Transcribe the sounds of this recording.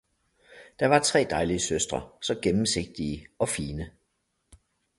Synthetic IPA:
d̥ɑ̈ʋɑ̈t͡sʰʁɛ̰ːd̥ɑ̈ɪliəsøsd̥ʁɐ̰sɒ̽ɡ̥emm̩se̝ɡ̥̚d̥iəɒ̽fiːnə

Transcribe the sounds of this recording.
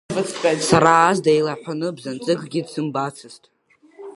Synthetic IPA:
bɨt͡sʰħʷʼᶣatʼsaɾaːzdajlaħʷᶣanɨbzant͡sʼɨkʼɡʲidsɨmbat͡sʰɨstʼ

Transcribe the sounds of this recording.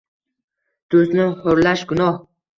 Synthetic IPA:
d̪̥ɵznɪhʊɾlaʃɡʊnɒh

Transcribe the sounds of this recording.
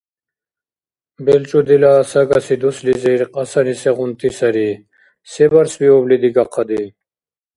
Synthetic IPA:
bɛlt͡ʃʼud̪ilasaɡasid̪uslizɛɾqʼɑsanisɛʁunt̪ʰisaɾi | sɛbaɾsbiɔblid̪iɡaqʰːɑd̪i

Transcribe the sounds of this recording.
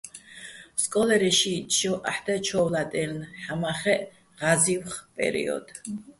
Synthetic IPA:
skʼɔlɛɾɛʃiɔʔaħd̪at͡ʃʰɔwlad̪ʼɛlnħamaχɛʔ | ʁaziwχpʼɛ̰ɾḭɔ̰d̪̥

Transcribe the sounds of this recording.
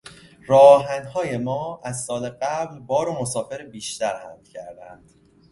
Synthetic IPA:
rɒːɦænhɒːje̞mɒːæzsɒːleɢæblbɒːɾomosɒːfe̞ɾebiːʃt̪æɾhæ̰md̪cʰæɾd̪ænd̪̥

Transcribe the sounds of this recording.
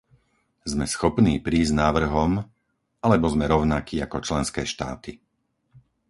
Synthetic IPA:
zmɛsxɔpniːpɾiːznaːʋr̩ɦɔm | alɛbɔzmɛɾɔʊnakiːakɔt͡ʃlɛnskɛːʃt̪a̰ːt̪i

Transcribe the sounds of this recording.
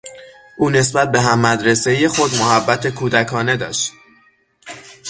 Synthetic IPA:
ʔuːne̞sbæt̪̚be̞ɦæmːæd̪ɾe̞se̞je̞xo̞d̪moɦæbːæt̪ʰekʰuːd̪ækʰɒːne̞d̪ɒ̰ːʃt̪

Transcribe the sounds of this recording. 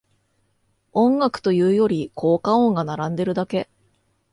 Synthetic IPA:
õ̞ŋɡakɯ̟̥t̪o̞jɯ̟ːjo̞ɾʲikʰo̞ːkãõ̞ŋɡanaɾãnd̪e̞ɾɯ̟d̪ake̞

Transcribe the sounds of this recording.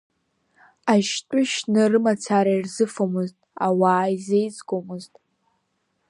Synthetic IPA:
aʃtʷʼʊʃnɨrɨmat͡sʰaɾairzɨfomɨztʼa̰waːjzejt͡sʼɡʷomɨztʼ

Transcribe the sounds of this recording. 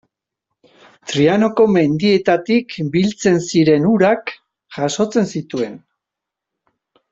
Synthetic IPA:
t̪ɾiano̞ko̞me̞nd̪ie̞t̪at̪ikbilt͡se̞nsiɾe̞nuɾak | ʝaso̞t͡se̞nsit̪ue̞n

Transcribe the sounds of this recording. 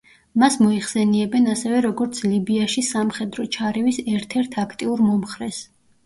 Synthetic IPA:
masmɔiχsɛniɛbɛnasɛvɛɾɔɡɔɾt̪sʰlibiaʃisamχɛd̪ɾɔt͡ʃʰaɾɛvisɛɾt̪ʰɛɾt̪ʰakʰt̪ʼiuɾmɔmχɾɛs

